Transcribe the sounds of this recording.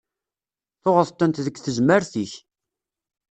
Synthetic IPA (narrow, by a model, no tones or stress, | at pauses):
θʊʁəθt̪ːənt̪ðəkːθəzməɾθiç